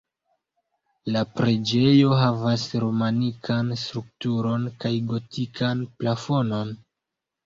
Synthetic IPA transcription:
lapɾe̞d͡ʒe̞jo̞ɦavasɾo̞manikʰanstɾuk̚tuɾo̞nkajɡo̞tʰikʰanplafo̞no̞n

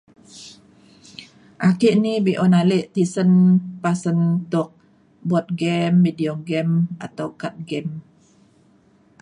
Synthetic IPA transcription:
ʔakiʔnibiʔɔnaleʔt̪isənpasənt̪ʊk̚ | bɔt̪̚ɡɛmːidiɔɡɛma̰t̪awkat̪̚ɡɛm

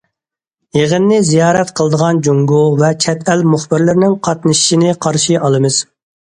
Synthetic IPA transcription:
jeʁənːɪzijɑːɾɛt̪qʰəlˠəd̪əʁɑnd͡ʒuŋɡuvɛt͡ʃʰɛt̪ʰɛlmuχbɪɾlɪɾnɪŋqʰɑt̪nɨʃi̥ʃinɪqʰɑɾʃiʔɑlˠɨmɨz̥

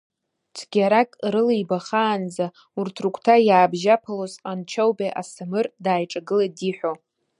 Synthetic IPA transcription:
t͡sʷʰɡʲaɾakʼɾɨlijbaχaːnd͡za | urtʰrukʷʰtʰajaːbʒapʰalozqʼant͡ʃʰowbeʔa̰samɨrdaːjʈ͡ʂʼaɡɨladiħʷᶣo

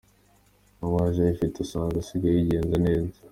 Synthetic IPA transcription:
mowaːʒajifitesaːŋɡasiɡajiɟe̞ːnzane̞ːzḁ

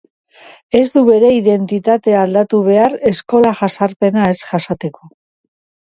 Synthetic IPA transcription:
e̞zd̪uβe̞ɾe̞iðe̞nt̪it̪at̪e̞ald̪at̪uβ̞e̞aɾe̞sko̞laʝasaɾpe̞nae̞sʝasat̪e̞ko̞

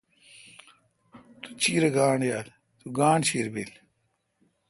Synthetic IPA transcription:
t̪u̥t͡ɕiːɾɐɡaːɳjaːl | t̪uɡaːɳɕiɾbil

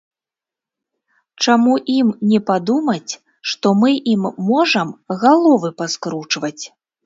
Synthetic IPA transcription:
t͡ʂamuʔimnʲɛpad̪umɐt͡sʲ | ʂt̪ɔmɨʔimːɔʐɐmɣalˠɔvɨpaskɾut͡ʂvɐt͡sʲ

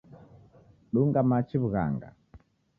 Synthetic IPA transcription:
ɗuŋɡamat͡ʃiβuɣa̰ŋɡa̰

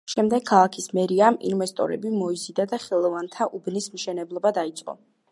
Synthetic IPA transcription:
ʃɛmd̪ɛɡ̚kʰːalˠakʰismɛɾiamḭnvɛst̪ʼɔ̰ɾɛ̰bimɔizid̪ad̪aχɛlˠɔvant̪ʰaʔubnismʃɛnɛblˠɔbad̪ait̪sʼqʼɔ̰

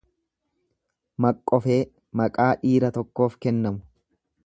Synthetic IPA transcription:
mɐkʼːɔfe̞ː | mɐkʼaːᶑiːɾɐt̪ɔkːo̞ːfkɛnːɐmʊ̥

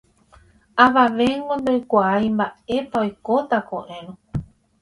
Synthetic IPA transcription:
aʋaʋe̞ŋɡond̪ojkʷaajmbae̞paojko̞t̪akoʔẽɾ̃õ

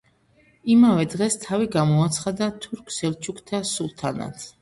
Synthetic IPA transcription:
imavɛd̪ʁɛst̪ʰaviɡamɔat̪sʰχad̪at̪ʰuɾkʰsɛlt͡ʃʰukʰt̪ʰasulˠt̪ʰana̰t̪ʰ

